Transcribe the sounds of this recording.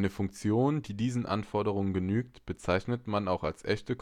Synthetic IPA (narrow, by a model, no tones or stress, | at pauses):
nəfʊŋkt͡sjoːnd̥iːdiːzn̩ʔa̰nfɔɐdəʁ̞ʊŋənɡənyːk̚tb̥ət͡saɪçnətmanaʊxalsʔɛ̰çtək